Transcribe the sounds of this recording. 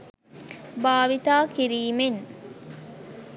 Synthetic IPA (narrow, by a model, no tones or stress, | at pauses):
baːʋit̪aːkiɾiːmeŋ